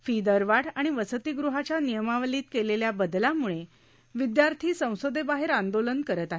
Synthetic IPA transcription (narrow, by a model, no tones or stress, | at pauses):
fid̪əɾʋaɽaɽ̃iʋəsət̪iːɡɾuɦat͡ɕanijəmaʋliːt̪keleljabəd̪lamuɭe | ʋid̪jaɾt̪ʰiːsə̃w̃sod̪ʱebaɦeɾand̪olənkəɾət̪aɦe